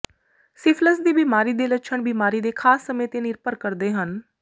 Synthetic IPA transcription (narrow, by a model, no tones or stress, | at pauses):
sɪpʰləsd̪iːbiːmaːɾiːd̪eːlətːʃʰəɳbiːmaːɾiːd̪eːkʰaːsːəmẽːt̪eːnɪɾpəɾkəɾd̪eːɦən